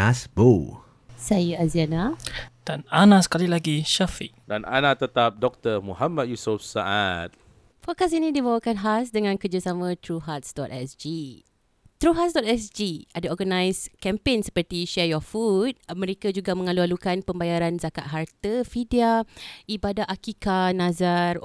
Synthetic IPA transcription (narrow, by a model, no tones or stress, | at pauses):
asbo | sajəazianad̥ananãsə̥kalilaɡiʃafiʔdana̰nat̪ət̪ap̚dɔk̚t̪əmuɦamat̚jusufsaʔat̪̚ | fokasinĩdibawakanɦasdəŋãnkərd͡ʒasamə̃t̪ɾuɦat̪̚sdɔtɛsd͡ʒi | t̪ɾuɦatsdɔt̚ɛsd͡ʒiadaɔɡanãjskɛmpensə̥pərt̪iʃɛjɔfut̪̚mə̃ɾekad͡ʒuɡamə̃ŋalualukanpəmbajaɾanzaka̰ʔ̪̚ɦart̪əfidiaibadaʔakikanãzar